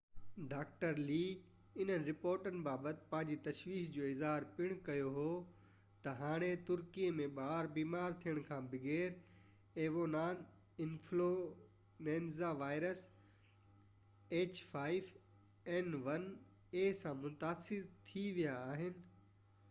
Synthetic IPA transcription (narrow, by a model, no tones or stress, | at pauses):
ɖaːk̚ʈəɾliː | ɪn̤ənɪɾɪpoːɾʈənɪ̆baːbət̪ɪ̥̆pɐ̃ɦɪ̃ɲd͡ʑit̪ɐʃʋiːʃd͡ʑoːɪzɦaːɾpɪɽ̃kɐjoɦoː | t̪ɐɦaːɽ̃et̪ʊɾkiəmẽɓaːɾbiːmaːɾt̪ʰijəɽ̃kʰãbɪɡeːɾ | eːʋonaːn | ɪ̃nflo | nẽːnzaʋaːɪɾəs | eːt͡ɕfʰaːɪʋ | ɛnʋɐn | eːsãmʊt̪aːsɪɾt̪ʰiʋijaːɦɪnɪ̆